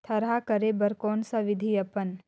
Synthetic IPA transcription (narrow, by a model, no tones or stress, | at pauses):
t̪ʰɐɾakɐɾebɐɾkɔːnsaʋɪd̪ʱiɐpən